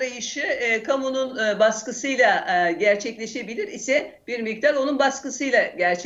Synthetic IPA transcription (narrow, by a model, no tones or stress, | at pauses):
ɾajɯʃɯkʰamununbaskɯsɯjlˠaɟæɾt͡ʃʰɛclʲe̞ʃe̞bilʲiɾisɛ | b̥iɾmik̚t̪aɾo̞nunbaskɯsɯjlˠaɟæɾt͡ʃʰ